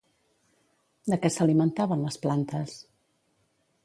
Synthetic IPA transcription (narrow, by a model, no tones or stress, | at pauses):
d̪əkɛsəlimənt̪aβənləsplant̪əs